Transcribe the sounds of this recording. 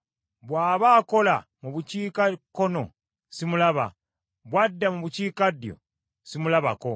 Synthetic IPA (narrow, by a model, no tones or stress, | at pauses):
βwaːβaːko̞la̰muβuciːkakːo̞no̞̰ | simulaβa̰ | βwadːamuβuciːkadjo̞̰ | simulaβa̰ko̞